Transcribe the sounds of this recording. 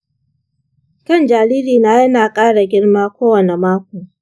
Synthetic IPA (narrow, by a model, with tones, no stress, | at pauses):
kɐ˦˨nd͡ʒaː˨liː˦liː˨naː˦jɐ˦naː˨kʼaː˦ɽa˨ɡʲɪ˦ɽmaː˦kʷoː˦wɐ˨ne˨maː˦kʷoː˨